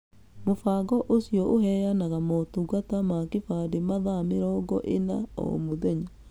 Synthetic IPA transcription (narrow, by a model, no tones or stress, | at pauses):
mofaːɡɔʔosjɔʔoɦɛːjanaɣamɔtuɣatamakefademaðameɾɔɡɔʔenaɔ̰moðɛɲa